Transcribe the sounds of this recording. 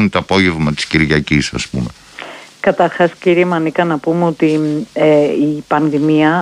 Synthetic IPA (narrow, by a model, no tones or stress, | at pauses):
unt̪oɐpo̞ʝe̞vmɐt̪i̥sciɾʝɐcisɐ̰spume | kɐt̪ɐɾxɐsciɾiemɐnikɐnɐpumeo̞t̪ieipɐnðimiɐ